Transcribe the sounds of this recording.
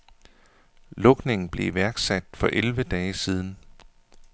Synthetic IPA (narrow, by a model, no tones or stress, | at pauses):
lɔ̽ɡ̥ne̝ŋn̩b̥le̝iʋæɐɡ̥sæd̥fɒ̽ʔelʋəd̥ɛːsiːð̞ˠn̩